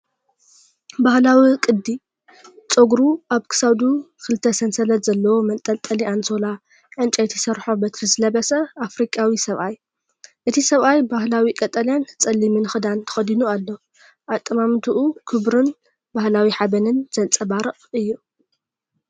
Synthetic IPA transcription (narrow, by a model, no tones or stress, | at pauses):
bahlawikʼɨd̪ːi | t͡sʼoɡɾuʔaβkʰɨ̥sad̪u | kʰɨlɨt̪ʰːɐsɐnsɐlɐt̪zɐlːɐwomɐt̪ʼːɐlt̪ʼɐliʔansola | ʕɨnt͡ʃʼajt̪ʰisɐɾħobɐt̪ʰɨzɨlɐβɐsɐafɾikʼawisɐβʔaj | ʔɨt̪ʰisɐβʔajbahlawikʼɐt̪ʼɐljant͡sʼɐlːimɨnxɨd̪ant̪ʰɨ̥xɐd̪inualːo̞ | ʔat̪ʼːɨmamt̪ʰuʔukʰɨβɾɨn | bahlawiħaβɐnɨnz̥ɐlt͡sʼɐbaɾɨʔʼɨjːu